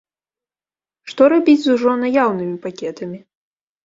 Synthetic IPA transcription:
ʂt̪ɔɾabʲid͡zʲzuʐɔnajawnɨmʲipakʲɛt̪ɐmʲi

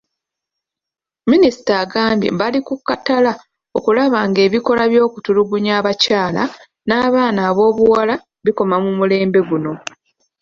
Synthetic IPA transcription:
minisi̥taːɡaːmbjḛbalikukːatala | o̞kulaβaːŋɡe̞ːβiko̞laβjo̞ːkutuluɡuɲaːβacaːla̰ | naːβaːnaːβo̞ːβuwala | βiko̞mamumule̞ːmbe̞ɡuno̞

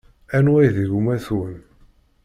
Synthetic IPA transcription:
ænwæjðiɡumæθun

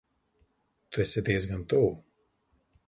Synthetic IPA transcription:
t̪uɛsʲɛd̪iːɛzɡant̪uː

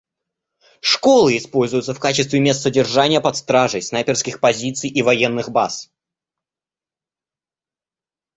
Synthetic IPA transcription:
ʂko̞lˠɨɪspo̞lʲzʊjʊt̪səfkat͡ɕɪst̪vʲɪmʲe̞st̪sədʲɪrʐanʲɪjəpɐt̪st̪ɾaʐəjsnajpʲɪrskʲɪxpɐzʲit̪sɨjʔivɐjenːɨxbas

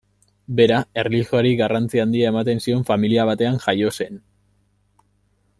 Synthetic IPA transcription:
be̞ɾae̞rlixoaɾiɣarant͡siand̪iae̞mat̪e̞nsio̞ɱfamiliaβ̞at̪e̞aŋʝajo̞se̞n

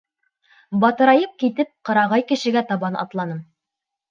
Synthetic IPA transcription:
bɑt̪ɤ̆ɾɑjɤp̚kit̪ɘp̚qɤ̆ɾɑʁɑjkɘ̆ʃɘ̆ɡæt̪ɑβɑnʔɑ̰t̪lˠɑnɤm

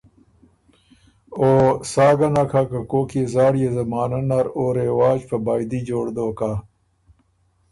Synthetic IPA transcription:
oːsaːɡɐnakʰakɐkoːkʰiezaːɽijezɐmaːnɐnɐɾoːɾewaːd͡ʑpɐbaːid̪iːd͡ʑoːɽd̪oːka

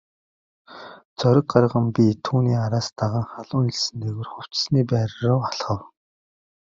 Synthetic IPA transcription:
t͡sœɾʲɪ̆k̚ɢarʁə̆mpʲit̪ʰuːniːaɾaːst̪aʁaːŋχaɮʊːŋiɮsɘ̆nt̪ʰeɣɘ̆rχʊw̥t͡ɕsniːpæːɾrʊːaɮχə̆w

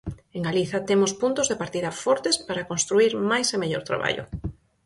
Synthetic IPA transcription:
eŋɡaliθɐt̪emʊspunt̪ʊzðepaɾt̪iðɐfɔɾt̪espaɾɐkõnst̪ɾuiɾmajsemeʎo̰ɾt̪ɾa̰βa̰ʎʊ̰

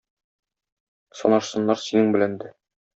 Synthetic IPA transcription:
sɒ̰nɑɾsɤ̆nːɑɾsinɘŋbɘ̆lænd̪ɘ

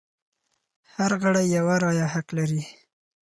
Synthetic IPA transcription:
haɾɣaɽajːawaɾɑjahaklaɾi

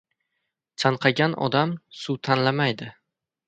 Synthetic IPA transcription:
t͡ʃʰanqʰɑɡʲanɒ̰d̪amsut̪ʰanlamajd̪ɪ

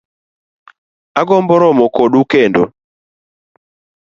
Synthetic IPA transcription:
aɡɔmbɔɾɔmɔkoɗukendo̰

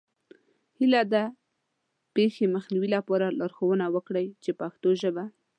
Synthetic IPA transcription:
hilad̪a | pexeməxniwilapɑɾalɑɾxowənawəkɽəjt͡ʃepaxt̪oʒəba

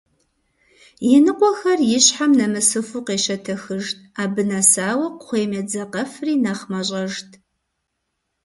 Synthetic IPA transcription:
jɪnɨqʷɔxɐrjɪɕħamnɐmɨsɨfuːqeːʃɐtʰɐxɨʒtʰaːbɨnɐsaːwɐqʷχʷeːmɐd͡zɐqɐfriːnɐχmɐɕʼɐʒtʰ

